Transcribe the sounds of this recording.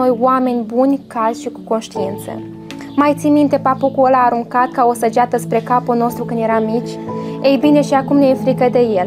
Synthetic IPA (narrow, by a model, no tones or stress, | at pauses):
o̞joame̞nʲbunʲkazʲʃikuko̞nʃt̪iint̪sə̰ | majt̪simint̪e̞papokuəlaːɾuŋkat̪̚kaosəd͡ʒat̪əspɾe̞kapulno̞st̪ɾukɨnd̪je̞ɾamit͡ʃʲejbine̞ʃiakumneefɾikəd̪e̞je̞l